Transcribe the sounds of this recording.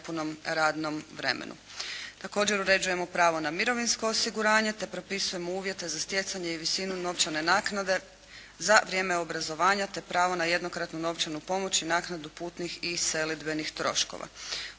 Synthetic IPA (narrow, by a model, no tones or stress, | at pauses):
puno̞mɾaːd̪no̞mʋɾe̞̰mḛnṵt̪ako̞ːd͡ʑe̞ɾuɾe̞d͡ʑuje̞mo̞pɾaːʋo̞namiɾo̞ʋinsko̞ːsiɡuɾaːɲe̞t̪e̞pɾo̞pisuje̞mouːʋje̞t̪ezast̪je̞t̪saɲe̞iʋisinuno̞ʋt͡ʃane̞naːknad̪e̞ | zaʋɾʲje̞ːmeo̞bɾazo̞ʋaːɲat̪e̞pɾaːʋo̞naje̞d̪no̞kɾat̪nuno̞ʋt͡ʃanupo̞mo̞t͡ɕinaːknad̪upuːt̪nixise̞lid̪be̞nixt̪ɾo̞̰ʃko̰ʋa̰